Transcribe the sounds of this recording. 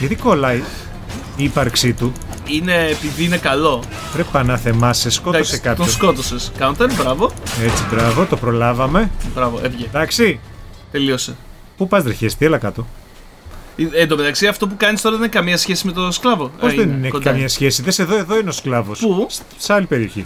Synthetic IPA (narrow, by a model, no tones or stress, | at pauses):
ʝɐt̪ikolɐi | iːpɐɾksit̪u | ineːpiðiinekɐlo̞ | pɾepɐnɐθe̞mɐsesko̞osekɐp̪oskot̪oseskɐnt̪ɐnbɾɐvo̞et͡sibɾɐvo̞t̪opɾo̞lɐvɐme̞bɾɐvoʔevʝeðɐksi | t̪e̞liose | pupɐzd̪ɾiçest̪ielɐkɐt̪o̞ | iend̪omet̪ɐksiɐft̪o̞p̬ukɐnist̪o̞ɾɐðeninikɐmiɲɐsçesime̞t̪osklɐvoozðeninekɐmɲɐsçe̞siðese̞ðo̞e̞ðo̞ineosklɐvo̞su | seɐlipe̞ɾio̞çḭ